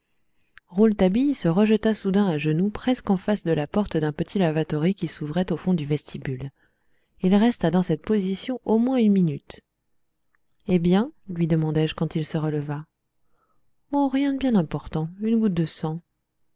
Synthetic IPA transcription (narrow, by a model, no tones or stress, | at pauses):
ʁult̪abijsəʁəʒət̪asud̪ɛ̃aʒənupχɛskɑ̃fasd̪əlapɔʁt̪d̪ɛ̃pət̪ʰilavat̪ɔʁikʲisuvʁɛt̪ofɔ̃d̪yvɛst̪ʰibyl | ilʁɛst̪ad̪ɑ̃sɛt̪̚pozisjɔ̃ʔomwɛ̃ynminyt̪ | ebjɛ̃lɥid̪əmɑ̃d̪ɛʒkɑ̃t̪ilsəʁələva | ɔ̃ʁjɛ̃d̪əbjɛ̃nɛ̃pɔʁt̪ɑ̃ynɡut̪̚d̪əsɑ̃